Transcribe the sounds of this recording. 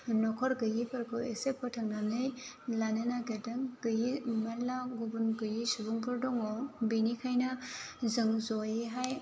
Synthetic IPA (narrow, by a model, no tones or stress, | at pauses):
nɔkʰɔɾɡɯjipʰɐɾkɯesepʰɔtʰaŋnamnɯj | lanɯnaɡedɯŋɡɯjimalaɡubunɡɯjisubuŋpʰɯɾdɔŋɔbinikʰajnɐzɯŋzɔjeɦaj